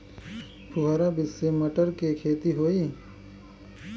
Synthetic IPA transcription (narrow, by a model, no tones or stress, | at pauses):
pʰʊɦaːɾabɪsːemɐʈəɾkekʰeːt̪iɦoːiː